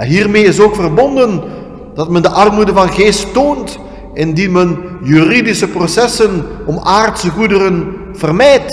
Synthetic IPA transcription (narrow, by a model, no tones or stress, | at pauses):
ɛnɦiːrmeːɪs̬oːkfərbɔndən | d̥ɑtmɛndəʔɑrmudəvɑnɣeːstːoːnt | ɪndinmənjyridisəprosɛsənʔɔmaːrtsəɣudərən | v̥ərmɛːt